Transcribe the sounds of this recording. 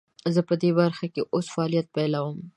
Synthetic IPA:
zəpəd̪ebaɾxakeʔosfaɑlijat̪̚pɛlawəm

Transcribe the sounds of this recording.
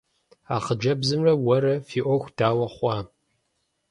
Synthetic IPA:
aːχəd͡ʒɐbzɨmrɐwɐɾɐfiːʔʷɔxʷd̥aːwɐχʷɑː

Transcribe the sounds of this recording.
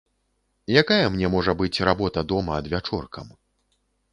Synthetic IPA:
jakajɐmnʲɛmɔʐɐbɨt͡sʲrabɔt̪ɐd̪ɔmɐːd̪vʲat͡ʂɔrkɐm

